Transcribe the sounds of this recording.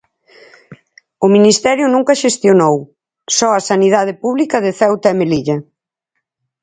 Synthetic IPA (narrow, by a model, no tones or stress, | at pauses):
ʊminist̪ɛɾjʊnũŋkɐʃest̪jonow | sɔɐsaniðað̞ɪpuβlikɐðɪθɛwt̪ɐɛmeliʎɐ